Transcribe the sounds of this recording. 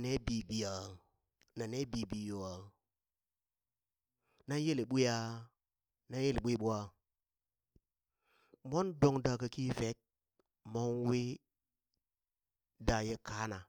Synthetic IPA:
ne˦bi˨bi˨a˨ | na˨ne˦bi˨bi˨jo˨a˨ | na˦je˦le˨ɓʷu˦a˦ | na˦e˦le˨ɓʷi˦˨ɓu˦a˨ | mʷo˦ndo˨ŋda˨ka˨ki˦fe˨˦t̚ | mo˦ŋ˦we˦ | da˨je˦kʰa˦na˨

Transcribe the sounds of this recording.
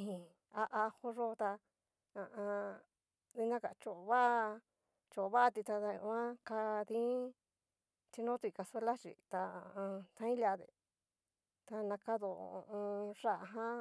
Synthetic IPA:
hĩ˨ | a˧ʔa˧ho˧ʐo˧t̪a˧ | ã˧ʔã˧ | ði˧nã˦ka̰˨˧t͡ʃo˨βa˦˧ | t͡ʃo˨βa˦˧t̪i˧t̪a˧t̪a˧õ̰˧ã˦ka˧ðĩ˦ | t͡ʃ̪i˧nõ˦t̪u˧i˧ka˧se˦la˦t͡ʃḭ˨t̪a˧ã˧t̪ã˧˦ĩ˦la˧ðḛ˨ | t̪a˧nã˧ka˦ðo̰˨˧õ˧ʐa˦˨˧ɦã˦

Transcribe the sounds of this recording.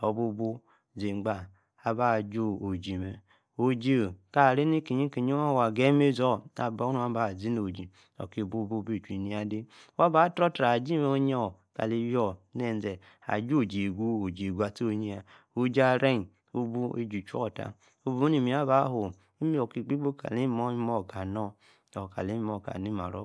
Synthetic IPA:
o˨bu˦bu˦ | ze˨ŋ͡mɡ͡ba˨ | a˨ba˦˨d͡ʒo˦o˨d͡ʒi˨me˨ | o˨d͡ʒe˦˨ka˨ɾe˦ni˦ke˨ɲi˦ke˨ɲi˦a˦wa˨ɡe˦me˦zo˦˨a̰˨ba˦u˦a˦ba˨zi˦no˨d͡ʒi˨ | o̰˨ki˦˨bu˦bu˦bi˦˨t͡ʃi˨ni˦a˦di˦wa˦ba˦tɾo˦tɾa˨d͡ʒi˦me˦o˦ɲe˦˨ka̰˨li˨jɔ˦˨nɛ˦˨n˦zɛ˨ | a̰˨d͡ʒo˦˨d͡ʒe˨ɡu˦o˨d͡ʒe˨ɡʷu˦a˨te˦o˦˨ɲi˦a˨ | o˨d͡ʒa˨ɾe˦n˨ | o˦bu˦e˦d͡ʒu˨t͡ʃɔ̰˦˨ta̰˨ | o˦bu˦ni˨mi˨˦a˦ba˨˦ɦo˨ | i˦mi˦o˨ki˨ɡ͡bi˦bo˦ka̰˨li˦mo˦i˦mɔ˦˨ka˨nɔ˦ | o˨ka̰˨li˨˦i˦mo˨ka̰˨ni˦ma̰˨ɾo̰˦

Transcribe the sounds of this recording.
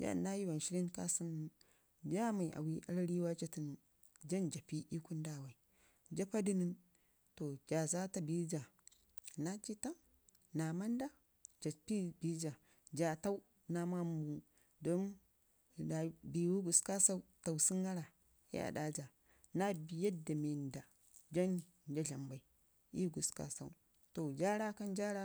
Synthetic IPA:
d͡ʒa̰˦nːa˦ji˦wa˨n˨ʃi˦ɾi˦nka˦si˦n˦ | d͡ʒa˦ma˨i˨ʔa̰˨wi˦ʔa̰˦lɾi˦wa˦t͡ʃa˦ti˦n˨ | d͡ʒa˦nd͡ʒa˨pi˦ʔi˦ku˦nda˦˨wa˨i˨ | d͡ʒa˦pa˦di˦ni˦n | to˨d͡ʒa˨za˦ta˦bi˦d͡ʒa˨ | na˦t͡ʃi˦ta˦ | na˨ma˦nda˦ | d͡ʒa˨pi˦bi˦d͡ʒa˨ | d͡ʒa˨ta˦u˦ | na˨ma˦m˦bu˨ | do˦n˨ | da˨bi˨wu˦ɡu˨ska˦sa˦u˦ta˨wsi˦ŋɡa˦ɾa˨˦ | a̰˨da˦d͡ʒa˨ | na˦bi˨ja˦da˨me˨n˨da˨ | d͡ʒa˦ni˨ | n˨d͡ʒa˦ɮa˨mba˨i˨ | i˦ɡu˨ska̰˨sa˦u˦ | to˨d͡ʒa˦ɾa˦ka˦n˦d͡ʒa˦ɾa˦

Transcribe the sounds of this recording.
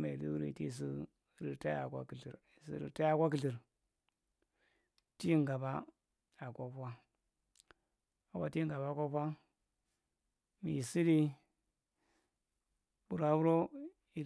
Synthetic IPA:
me˨li˦ɾḭ˨ti˦˨s̬i˦ | ɾi˨ta˦ja̰˨kʷa̰˦ki˨ɬi˨ɾsḭ˦ɾḭ˨˦ta˦ja˦˨kʷa˦k̬i˨ɬi˨ɾ | ti˦ŋɡa˨ba˦ | a˨ko˦pʷa˦ | a˨wa̰˦ti˦ŋɡa˨ba˦˨kʷo˦pʷa˦ | mi˨si˦di˦ | bu˨ɾa˨˦bu˦ɾo˦ | i˨

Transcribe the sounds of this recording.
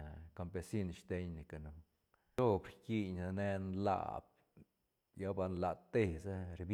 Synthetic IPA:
ka˧mpe˧si˦nʃt̪e˧˦ɲni˨˧ka˨nu˧ | o˦bɾki˧ɲa˧ne˧nla̰˧˨b̚ | ja˦ba˧nla˧t̪ːe˧sa˦ɾb

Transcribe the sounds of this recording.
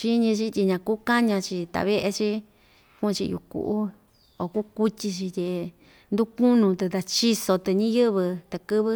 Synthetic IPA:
t͡ʃi˦ɲĩ˧t͡ʃi˧t̪ʲi˧ɲã˧ku˦ka˦ɲã˧t͡ʃi˧t̪a̰˧˨βe˦ʔe˧t͡ʃi˦ | kũ˦˧t͡ʃi˧jṵ˧kṵ˨ʔu˦ | o˨ku˦ku˦tʲi˧t͡ʃi˧t̪ʲe˧ | nd̪u˦ku˦nũ˧t̪e˧t̪a˧t͡ʃi˦so˧t̪ɨ˧ɲĩ˦jɨ˦βɨ˧t̪e˧kɨ˦βɨ˦

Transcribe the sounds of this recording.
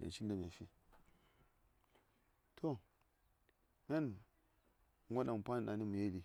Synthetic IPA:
a̰˨t͡ʃi˦n˦da˨m˨a˨fi˦ | tʰo˦ | na˦n˨ | ŋʷa˦ɗa˨m˨pa˦n˨ɗa˨ni˦mu˨je˦li˨

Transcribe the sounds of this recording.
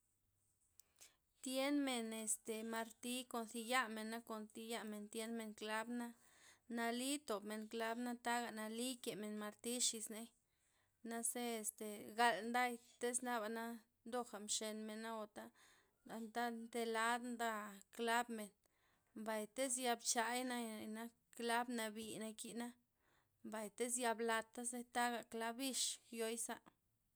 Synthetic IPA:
t̪je˦nme˨ne˨st̪e˨ma˧ɾt̪i˦ko˧nθi˧ja˦me˨nːa˦ko˨nt̪i˧ja˦ʔme˨nt̪je˦nme˨ŋkla˦bna˦ | na˧li˦t̪o˨bme˨nkla˦bna˦t̪a˦ɡa˨ʔna˧li˦ke˨me˨nma˧ɾt̪i˦ʃi˧sne˦ | na˦se˦e˧st̪e˨ɡa˧lnd̪a˦jt̪e˦sna˦ba˨na˦ | nd̪o˧xa˨mʃe˧nme˨na˦o˨t̪a˦ | d̪a˨nd̪a˦nd̪e˧la˦d̪nd̪a˦kla˦bme˨n | mba˨jt̪e˦sja˧bt͡ʃa˨jna˦˨na˦ | kla˦bna˧bi˧˨na˧ki˧ʔna˦ | mba˨jt̪e˦sja˧bla˧t̪ːa˦ze˦t̪a˦ɡa˨kla˦bi˦ʃjo˧˦jsa˦ʔ

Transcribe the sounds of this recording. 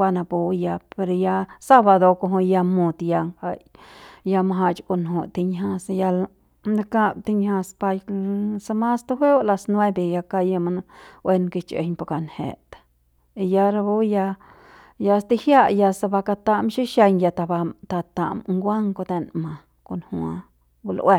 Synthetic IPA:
a˧na˧bu˧ja˧pe˧ɾja˧sa˦ba˧d̪o˧ko˧ɦo˧ja˧mu˧d̪ja˧ŋa˧jja˧ma˧ɦa˧t͡ʃko˧nɦo˧t̪i˧ɲha˧sja˧l | a˧ka˧b̚t̪i˧ɲha˧spa˧jsa˧ma˦st̪u˦ɦʷe˦wla˧snwe˦be˨ja˧ka˧ja˧ma˧nwʔe˦˧nke˧t͡ʃḛ˧ɲpa˧ka˧nhḛ˨t̪ḁ˨ | i˧ja˧ɾa˧bo˦ja˧ | ja˧st̪i˧hja˦ja˧sa˧ba˧ka˧t̪a˧mʃi˦ʃe˧ɲja˧t̪a˧ba˧t̪a˧t̪a̰˨mŋɡʷa˦ŋko˧d̪e˧nma˨ | ko˧nhu˧a˧ | ɡu˧lʔwʔe˦˧

